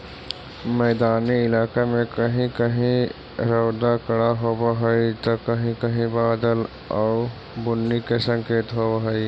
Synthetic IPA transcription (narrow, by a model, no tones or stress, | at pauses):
mɛːd̪aːniɪlaːkemẽkɐɦĩkɐɦĩ | ɾəːd̪akɐɽaɦobaɦəit̪okɐɦĩkɐɦĩbaːd̪əl | ɔːʊ | bʊnːikesə̃ŋkeːt̪ɦobɦəi